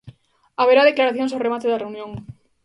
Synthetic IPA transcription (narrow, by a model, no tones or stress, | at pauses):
aβeɾað̞e̞klaɾaθjonsaremat̪eðareunjõ̞ŋ